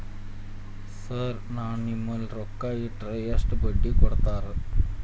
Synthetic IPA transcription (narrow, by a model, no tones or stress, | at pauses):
səɾnaniməlɾokːaiʈɾəjəsʈbəɖːiːkɔɽt̪aɾ